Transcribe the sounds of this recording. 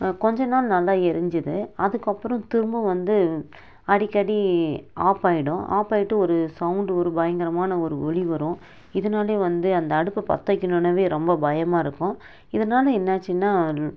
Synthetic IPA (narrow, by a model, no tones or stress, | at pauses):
kɔɲd͡ʒɐnaːlnɐlːaːɛɾɯɲd͡ʒɯðɯɐðɯkːɐpːɯɾɔ̃t̪ɪɾɯmbɯ̃ʋɐnd̪ɯ | ɐɽɪkːɐɽiaːpaːjɪɽʊ̃a̰ːpaːjɪʈːɯɔɾɯsɐʊɳɖɔɾɯbɐjɐŋɡɐɾɐmaːnɐɔɾɯɔɭiʋɐɾʊ̃ | ɪðɐnaːleːʋɐnd̪ɯɐnd̪ɐːɽɯpːɐpɐ̰t̪ːɐkʲːɪnonɐʋeːɾɔmbɐbɐjɐmaːɪɾɯkːʊ̃ | ɪðɐnaːlɐɛnːaːt͡ʃːɯnːaː